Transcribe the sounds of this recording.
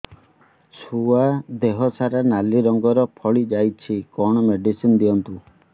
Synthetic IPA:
sʰuad̪eɦɔsaɾanaliɾɔŋɡɔɾɔpʰɔɭid͡ʒajt͡ʃʰikɔɽ̃ɔmeɖisind̪iɔnt̪u

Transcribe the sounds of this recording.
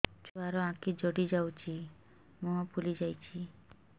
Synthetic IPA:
t͡ʃuaɾɔãkid͡ʒoɽid͡ʒawt͡ʃʰi | mũɦɔpulid͡ʒajt͡ʃʰi

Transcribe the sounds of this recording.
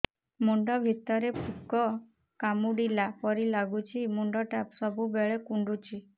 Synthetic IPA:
muɳɖɔbʱit̪ːɔɾepukɔ | kamuɽilapɔɾilaɡut͡ʃʰimuɳɖɔʈapsɔbʱubeɭekuɳɖut͡ʃʰi

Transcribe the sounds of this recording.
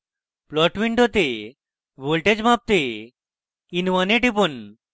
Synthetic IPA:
plɔʈʋiɳɖɦot̪e | ʋolʈed͡ʑmap̚t̪e | inʋaneʈipon

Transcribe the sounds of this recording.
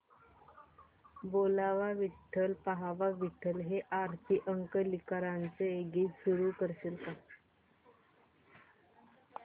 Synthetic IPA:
bolaʋaʋiʈʰːəlpaɦaʋaʋiʈʰːəlɦeʔaɾt̪ʰiʔəŋkəlikaɾant͡seeɡiːt͡ssuɾuːkəɾɕelka

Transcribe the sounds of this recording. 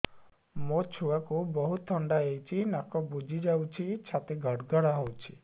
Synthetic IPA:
mot͡ʃʰuwakubɔɦut̪ʰːɔɳɖaejt͡ʃʰinakɔbud͡ʒʱid͡ʒawt͡ʃʰit͡ʃʰat̪eɡʱɔɽɡɔɽaɦɔwt͡ʃʰi̥

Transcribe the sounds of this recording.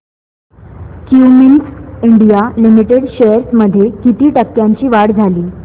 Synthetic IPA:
kjuminsiɳɖijalimiʈeɽɕejəɾsməd̪ʱːjekit̪iːʈəkːjaɲt͡ɕiːʋaɽd͡zʱaliː

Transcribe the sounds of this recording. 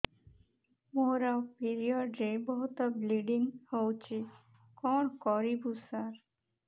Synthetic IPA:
moɾapiɾiɔɖɾebɔɦut̪ɔbliɖinhowt͡ʃʰi | kɔɳkɔɾibusaɾ

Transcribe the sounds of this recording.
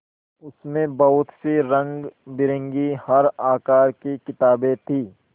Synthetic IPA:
ʊsmẽbɐɦʊt̪siɾɐ̃ŋɡbɪɾə̃ŋɡihɐɾaːkaːɾkikɪt̪aːbẽt̪ʰiː

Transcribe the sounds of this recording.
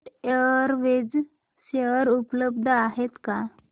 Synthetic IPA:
ʈəɾʋed͡z | ɕeəɾupləbd̪ʱəaɦet̪ka

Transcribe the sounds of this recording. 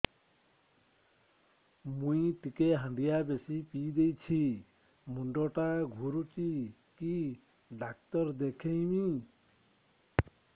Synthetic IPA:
mũĩt̪ikeɦə̃nd̪ijabesipid̪ejt͡ʃʰi | muɳɖoʈaɡʱuɾut͡ʃi | ki | ɖak̚t̪ɔɾd̪ekʰejmi

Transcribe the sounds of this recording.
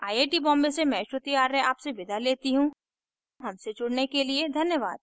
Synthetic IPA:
aːjeːʈibɔ̃ːmbesemɛ̃ːʃɾʊt̪iaːɾeaːpseʋɪd̪ʱaleːt̪iɦũː | ɦɐmsed͡ʒʊɽnekelied̪ʱɐnjəʋa̰ːd̪̚

